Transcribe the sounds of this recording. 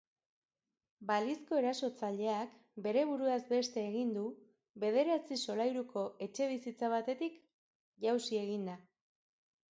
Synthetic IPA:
balisko̞e̞ɾaso̞t͡saʎe̞ak | be̞ɾe̞β̞uɾuazbe̞st̪e̞ːɣind̪u | βe̞ðe̞ɾat͡siso̞lajɾukʰo̞ʔe̞t͡ʃe̞β̞isit͡saβ̞at̪e̞t̪ik | ʝawsie̞ɣind̪a

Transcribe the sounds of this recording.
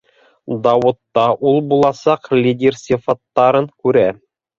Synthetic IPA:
d̪ɑwŏt̪ːɑʔulˠbulˠɑsɑqlʲidʲersʲɪfɑt̪ːɑɾɤŋkʉɾæ

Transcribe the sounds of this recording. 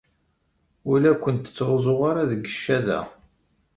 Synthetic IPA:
ʊlækʷːənt̪ət͡sːɾzˤoʁaɾaðəɡːəʃːæðæ̰

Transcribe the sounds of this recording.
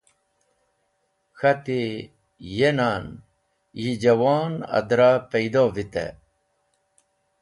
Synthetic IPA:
xɐt̪i | jenaːn | jid͡ʑɐwaːnɐ̰d̪ɾapɐjd̪oːvit̪ḛ

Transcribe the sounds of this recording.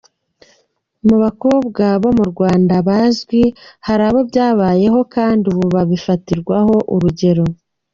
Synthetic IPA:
muβako̞ːbɡaβo̞muɾɡwaːndaβaʒɡwihaɾaβo̞bjaːβaːje̞ɦo̞kaːndiuβuβaβifatiɾɡwaho̞ʔuɾuɟe̞ɾo̞

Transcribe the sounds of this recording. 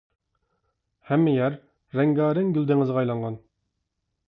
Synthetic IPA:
hɛmːɪjɛɾː | ɛŋɡɑːɾɪŋɡʲyld̪ɪŋɨzʁɑjlˠɑɴʁɑn

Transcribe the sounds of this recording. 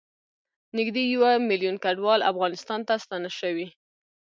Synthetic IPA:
nɪɡd̪ejawamiljunkaɖwɑla̰fɣɑnɪst̪ɑnt̪ast̪ɑnaʃəwi

